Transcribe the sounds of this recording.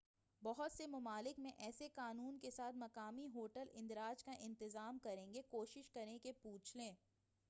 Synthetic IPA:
bɔɦʊt̪semʊmaːlɪkmẽʔɛːsekaːnuːnkesaːt̪ʰmɐkaːmiɦoːʈəlɪ̃nd̪ɾaːd͡ʒkaʔɪ̃nt̪ɪzaːmkɐɾẽːŋɡekoːʃɪʃkɐɾnẽkepuːt͡ʃʰlẽː

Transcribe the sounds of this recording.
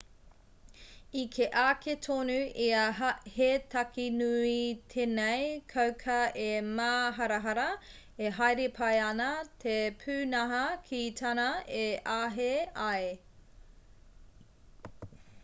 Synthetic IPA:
ikʰeʔaːkʰetʰonuiɐhetʰɐkinuit̪ʰenejkʰɐwkʰɐemaːɦɐɾɐɦɐɾɐ | eɦajɾepʰɐjɐnɐt̪ʰepʰʉːnɐɦɐkʰitʰɐnɐeʔaːɦeaj

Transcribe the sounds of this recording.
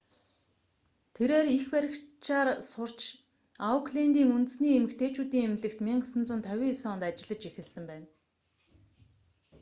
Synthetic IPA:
t̪ʰeɾeːrixpæɾʲɪ̆kt͡ɕaːrsʊr̥t͡ɕ | aʊkʰɮent̪iːŋunt̪ɘ̆sniːemɘ̆kt̪ʰeːt͡ɕuːt̪iːŋemɮɘ̆kt̪miɴɢə̆sə̆nt͡sʊ̆nt̪ʰœwʲiːsɔːnt̪at͡ɕɪ̆ɮə̆t͡ɕixɘ̆ɮsɘ̆mpæːn

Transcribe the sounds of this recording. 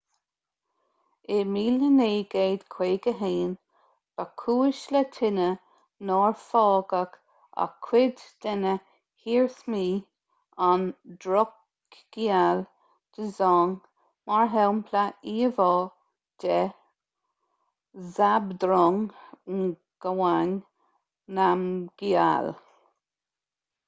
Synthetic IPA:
ɪmiːləneːɡ̥eːd̪kʰw̥eːɡəɦeːn | b̥akʰuːɪʃlət̪ʰɪnə | nɔːɹfɔːɡək | a̰kʰwɪd̪d̪̥ɛnə | hiːɹθmiː | and̪ɾɔ | ɡ̥ial | d̪̥əzɔːŋ | maɹɦɛwmpʰlaiːvɔː | d̪̥ɛ | zabd̪ɾɔŋ | ɡ̥awan | namɡ̥ia̰l

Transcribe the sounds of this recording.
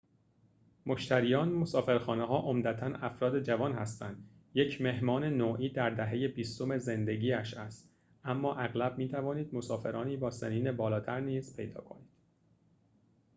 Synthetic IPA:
moʃt̪ʰæɾiːjɒːnmosɒːfe̞ɾxɒːneɦɒːʔomd̪æt̪ʰænæfɾɒːd̪e̞d͡ʒævɒːnhæst̪ænd̪ | je̞cʰme̞ɦmɒːne̞noːʔiːd̪æɾd̪æɦe̞je̞biːst̪o̞me̞ze̞nd̪eɟiːæʃæst̪ | ʔæmːɒːʔæɣlæb̚miːt̪ʰævɒːniːd̪̚mosɒːfe̞ɾɒːniːbɒːseniːne̞bɒːlɒːt̪ʰæɾniːz̥pʰe̞̰jd̪ɒ̰ːkʰo̞̰niːd̪̥

